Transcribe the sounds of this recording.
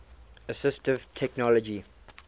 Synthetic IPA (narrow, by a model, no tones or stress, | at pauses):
əsɪstɪv̥tʰɛknɔləd͡ʒi